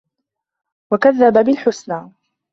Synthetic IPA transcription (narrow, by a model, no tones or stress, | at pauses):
wakaðːababɪlħʊsnaː